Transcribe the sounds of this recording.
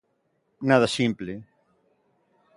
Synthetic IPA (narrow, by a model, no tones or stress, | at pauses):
naðasĩmple